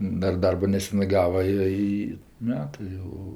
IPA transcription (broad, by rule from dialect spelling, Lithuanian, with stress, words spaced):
ˈdɐr ˈdɐrboː nʲɛˈsʲæːnɜ ˈɡɑːʋɐ ˈjoː ˈiː ˈmʲæːtɜ jɛʊ